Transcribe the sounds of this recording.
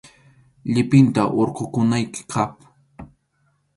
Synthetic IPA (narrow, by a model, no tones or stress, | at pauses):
ʎɪpɪnt̪aʔoɾqʊkʊnajkɪ̥kʰap